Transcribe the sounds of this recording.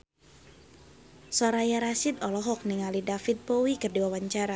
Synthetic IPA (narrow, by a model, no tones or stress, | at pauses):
sɔɾajaɾasɪd̪ɔlɔɦɔk̚niŋalidafit̪̚pɔwikərdiwawaɲt͡ʃaɾa